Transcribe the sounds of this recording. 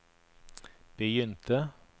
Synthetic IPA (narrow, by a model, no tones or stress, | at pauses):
b̥əjʏnt̪ʰə